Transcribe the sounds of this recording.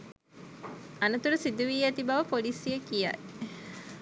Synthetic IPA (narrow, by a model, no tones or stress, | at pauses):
ɐnɐt̪uɾusid̪uʋiːæt̪ibɐʋəpolisijəkija̰